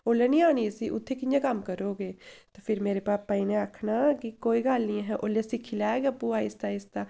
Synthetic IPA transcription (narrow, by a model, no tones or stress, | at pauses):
oːleːnĩːaːñiːəsiːʔʊ̰t̪ʰːeːkɪjãːkəmkəɾoːɡeːt̪aːpʰɪɾmeːɾeːbaːpːãinẽːakʰnaːkɪkoːiːɡalnĩːɦɛːʔoːlesikʰːilaːeɡəpːũːaːist̪aːɪst̪aː